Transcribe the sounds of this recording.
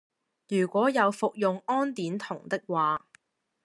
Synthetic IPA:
jyː˨˩kʷɔː˨˥jɐ˨˧wfʊ˨k̚jʊ˨ŋɔː˥nt̪iː˨˥nt̪ʰʊ˨˩ŋt̪ɪ˥k̚waː˨

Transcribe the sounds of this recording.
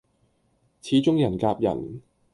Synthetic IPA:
t͡sʰiː˨˥t͡sʊ˥ŋjɐ˨˩nkaː˧p̚jɐ̰˨˩n

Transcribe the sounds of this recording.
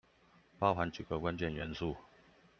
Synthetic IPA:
pɑ˥˧ʊxa˧˦nt͡ɕu˨˩ɡə˦kwa˥˦nt͡ɕɛ˥˨nɥɛ˧˦nsu˥˨

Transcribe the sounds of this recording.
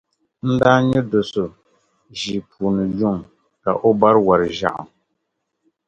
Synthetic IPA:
n̩˦daː˦ɲɛ˦do˨so˨ | ʒi˨pʰu˨nɨ˨jʊ˦ŋ | ka˨ʔo˦ba˦ɾwa˨ɾɨ˨ʒa̰˦˨ʔa̰˨m

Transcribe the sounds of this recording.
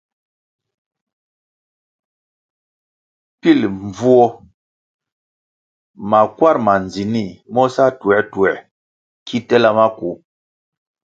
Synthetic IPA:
pi˦˨lɱvu˦ɔ˦ | ma˨kwa˦ɾma˨n˨d͡zi˨ni˦˨mɔ˦sa˦tu˨ɛ˨˦tu˨ɛ˨ | kʰi˦tɛ˦la˦ma˦ku˨˦

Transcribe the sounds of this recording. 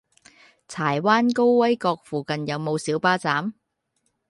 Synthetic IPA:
t͡sʰaː˨˩jwaː˥nko˥wwɐ˥jkɔː˧k̚fuː˨kɐ˨njɐ˨˧wmo˨˧wsiː˨˥wpaː˥t͡saː˨˥m

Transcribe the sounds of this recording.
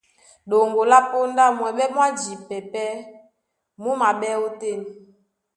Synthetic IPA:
ɗo˨ŋɡo˨la˦po˦nda˦˨mwɛ˨ɓɛ˦mwa˦d͡ʒi˨pɛ˨pɛ˦ | mu˦ma˨ɓɛ˦o˦te˦˨ni˨

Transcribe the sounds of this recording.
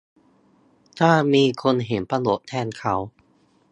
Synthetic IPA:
t̪ʰaː˥˩miː˧kʰo˧nɦe˩˦mpa˧lo˨˩ʔ̚t̪ʰɛː˧nkʰa˦˥w

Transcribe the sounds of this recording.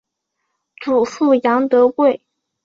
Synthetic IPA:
ʈ͡ʂu˨˩fu˥˩jɑ˧˥ŋt̪ɤ˧˥kwe˥˩ɪ

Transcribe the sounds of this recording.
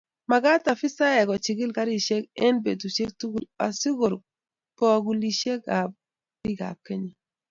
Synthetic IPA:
ma˨ɡa˦ta˨fi˦sa˦jɛ˨kɔ˨t͡ʃi˨ɡi˦lka˦ɾi˦˨ʃe˦kɛ˦nbe˨tu˨ʃe˦k̚tu˦ɡu˨la̰˨si˦ɡo˨ɾ | pɔ˦˨ɡu˨li˨ʃe˦ka˨ | bi˦ɡa̰˨kːe˦ɲi˨

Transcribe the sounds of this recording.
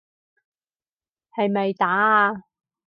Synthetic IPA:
hɐ˨˧jmɐ˨jt̪aː˨˥a˧

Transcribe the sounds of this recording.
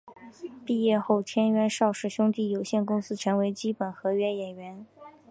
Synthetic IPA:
pi˥˧jɛ˥˧xo˥˩ʊt̪ʰjɛ˥nɥɛ˧˥nʂɑ˥˧ʊʂɻ̩˥˩ɕjʊ˥ŋt̪i˥˩jo˨˩ʊɕjɛ˥˩nkʊ˥ŋsɹ̩˥ʈ͡ʂʰɤ˧˥ŋwe˧˥ɪt͡ɕi˥pə˨˩nxɤ˧˥ɥɛ˧˥njɛ˨˩nɥɛ˧˥n

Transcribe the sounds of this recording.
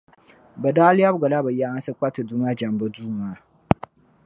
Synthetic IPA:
bɐ˨daː˦lɪ˦ja˦bɡa˨la˦ba˨ja˦a˦n˦sɨ˦k͡pa˦tɨ˨du˦ma˦d͡ʒa˨mbə˦duː˦maː˨˦

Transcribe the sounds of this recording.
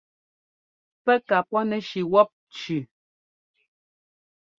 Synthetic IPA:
pɛ˦ka˨pɔ˦nɛ˨ʃi˨wɔ˦p̚t͡ʃʉ˨

